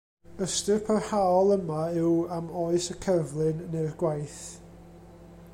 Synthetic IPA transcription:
əstɪrpʰərhaɔlˠəmaɪwamoːɨsəkʰərvlˠɨnːɛrɡ̥wajθ

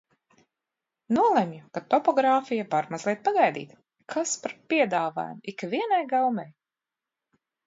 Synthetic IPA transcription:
nuɔlˠemjukat̪ɔpɔɡɾaːfijavaɾmazliɛt̪̚paɡajd̪ḭːt̪ | kʰaspaɾpiɛd̪aːva̰ːj̰mikviɛnajɡalˠmɛj

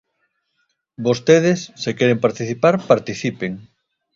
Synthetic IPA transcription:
bost̪eð̞esːekeɾempaɾt̪iθipaɾpaɾt̪iθipeŋ

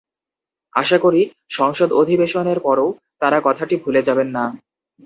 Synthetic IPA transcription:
a̰ʃakoɾi | ʃɔŋʃod̪od̪ʱibeʃoneɾpɔɾow | t̪aɾakɔt̪ʰaʈibʱuled͡ʑabenːa

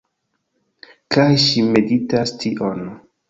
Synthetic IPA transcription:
kajʃimeditastʰiʔon

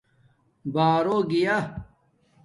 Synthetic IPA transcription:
baːɾoːɡija

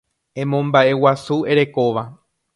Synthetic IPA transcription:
ẽ̞mõmbaʔe̞wasue̞ɾe̞ko̞ʋa

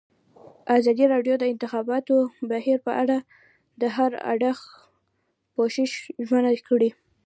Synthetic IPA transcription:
ʔazɑd̪iɾɑɖjod̪əɪnt̪ɪxɑbɑt̪obahiɾpəʔaɽa | d̪əɦaɾa̰ɖax | poʃɪʃʒwanakɽi

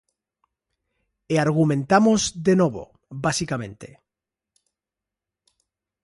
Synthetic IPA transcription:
eaɾɣ̞umẽnt̪amozðenoβ̞o̰ | basikamẽ̞nt̪ḛ

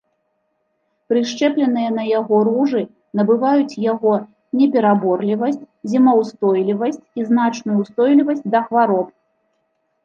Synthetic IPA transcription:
pɾɨʂt͡ʂɛplʲɛnɨjɐnɐjaɣɔɾuʐɨ | nɐbɨvajut͡sʲjaɣɔ | nʲɛpʲɛɾabɔrlʲivɐsʲt͡sʲ | zʲimɐwst̪ɔjlʲivɐsʲt͡sʲiznat͡ʂnujust̪ɔjlʲivɐsʲt͡sʲd̪ɐxvaɾɔp̚

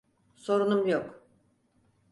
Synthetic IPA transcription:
so̞ɾunumjok

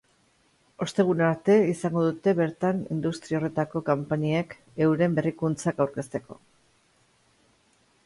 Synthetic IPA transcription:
o̞st̪e̞ɣ̞unaɾt̪e̞isaŋɡo̞ðut̪e̞βe̞ɾt̪anḭnd̪ust̪ɾiao̞re̞t̪ako̞kompaɲiek | e̞wɾe̞mbe̞rikunt͡sakawɾke̞st̪e̞ko̞̰

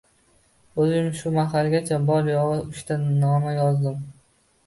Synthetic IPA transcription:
ɵzɪmʃʊmaɦalˠɡʲat͡ʃʰabɒɾjɒʁɨʊʃt̪anɒmajɒzd̪ɪm

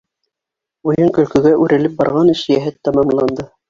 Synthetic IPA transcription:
ujɤŋkɵ̆lkɵ̆ɡæʔʉɾʔɘ̆lɘp̚bɑ̰ɾʁɑnɘʃjæɦɘt̪ːɑmɑmlˠɑnd̪ɤ

